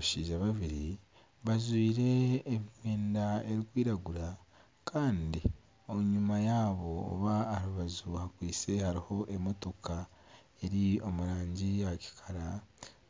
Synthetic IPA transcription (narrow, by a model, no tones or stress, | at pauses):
ʃiːʒaβaβiɾi | βazwiːɾe̞ːβiweːndae̞ɾikwiːɾaɡuɾa | kʰaːndi | oɲumajaːβo̞̰ːβaːɾuβazuhakwiːt͡se̞haɾiho̞ʔe̞mo̞to̞kʰa | e̞ɾio̞muɾaːɲɟiaci̥kʰaɾa